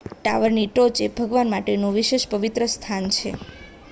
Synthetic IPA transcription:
ʈaʋəɾniʈot͡ʃebʱəɡʋanmaʈenũʋiʃeʃpəʋit̪ɾəst̪ʰant͡ʃʰḛ

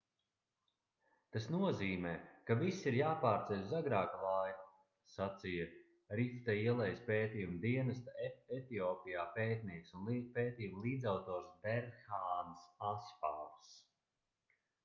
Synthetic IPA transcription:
t̪asnuɔziːmɛːkavisiɾjaːpaːɾt̪sɛjzaɡɾaːkalaj | sat̪sija | ɾift̪aiɛlˠɛjspeːt̪iːjumd̪iɛnɐst̪aɛt̪iɔːpijaːpeːt̪niɛksunpeːt̪iːjumlˠiːd̪zawt̪ɔːɾsbɛɾxaːnsasfaːls

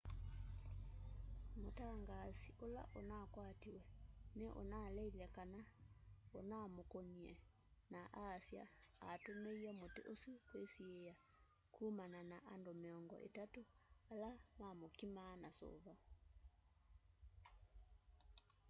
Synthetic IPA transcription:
motaŋɡaːsiʔola̰ʔonakwatiwɛnɛʔo̰nalɛilɛkana | onamokoniɛ | naʔasja̰atomeiɛmotḛʔosukwesieja | kʰuːmananaʔandomeɔŋɡɔ̰ʔḛtatoalamamokimaːnaso̰βa

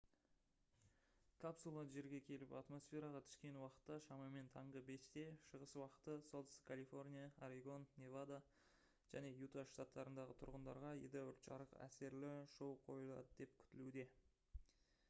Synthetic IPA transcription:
kʰapsulˠɑʒe̞ɾɡʲe̞kʲʰe̞lɪpɑt̪mo̞sfʲe̞ɾɑʁɑt̪ʰʏ̥skʲe̞nwɑqə̥t̪ːɑʃɑmɑme̞nt̪ʰɑɴʁəbe̞st̪e̞ʃəʁəswɑqə̥t̪əso̞ld̪ə̥sə̥kʰalifo̞rnʲijaaɾiɡo̞nːevad̪a | ʒ̥æne̞jut̪aʃt̪at̪ːɑɾənd̪ɑʁət̪ʰʊɾʁənd̪ɑ̰ɾʁɑḛd̪ɑʏɾt̪ʃɑ̰ɾəqæ̰se̞ɾlɪʃowqʰo̞̰jəlˠɑ̰d̪əd̪e̞p̚kʲʰʏ̥t̪ɪlud̪e̞

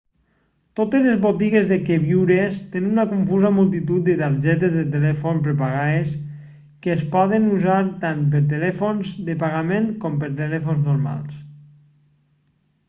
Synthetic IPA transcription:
t̪ot̪ezlezβot̪iɣezðekeβiwɾest̪enunakuɱfuzamulˠt̪̬it̪ut̪̚d̪et̪aɾʒɛt̪̬ezðet̪̬elɛfonpɾepaɣaes | keːspɔðenuzaɾt̪anp̬eɾt̪̬elɛfonzd̪epaɣamenkɔmpeɾt̪̬elɛfonznoɾma̰lˠs

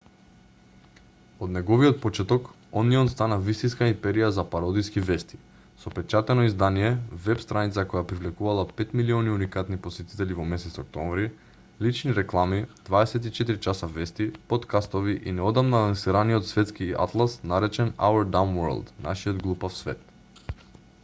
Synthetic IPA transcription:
od̪nɛɡɔviot̪̚pɔt͡ʃɛt̪ɔk | ɔniɔnst̪anavist̪inskaimpɛɾijazapaɾɔd̪iskivɛst̪i̥ | sɔpɛt͡ʃat̪ɛnɔizd̪anijɛvɛpst̪ɾanit̪sakɔjapɾivlɛkuvalˠapɛt̪miliɔniunikat̪niposɛt̪i̥t̪ɛlivomɛsɛt̪sɔk̚t̪ɔmvɾi | lit͡ʃniɾɛklˠamid̪̥vaɛsɛt̪it͡ʃɛt̪iɾit͡ʃasavɛst̪ipot̪kast̪oviʔḭnɛɔd̪amnalãsiɾaniot̪svɛt̪skia̰t̪lˠasnaɾɛt͡ʃɛna̰ɛɾd̪amwɛɾlˠd̪na̰ʃiod̪ɡlˠupafsvɛ̰t̪̚

